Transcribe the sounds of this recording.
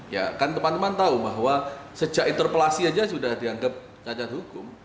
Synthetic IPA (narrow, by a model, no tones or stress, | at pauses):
ja̰kant̪əmant̪əmant̪aubaɦwasəd͡ʒaʔint̪ərpəlasiad͡ʒas̬udahdiaŋɡap̚ | t͡ʃat͡ʃat̪̚ɦukʊm